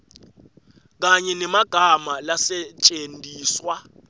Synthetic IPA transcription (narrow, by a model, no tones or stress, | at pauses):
k̬aɲɛnɛmaɡ̥ʱamalasɛt͡ʃʼendʱiːswa